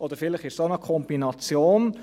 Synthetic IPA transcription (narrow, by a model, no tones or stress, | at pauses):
ʔɔd̥̪əɾfɪləχɪʃsonəkʰɔmbinɑt͡sjoːn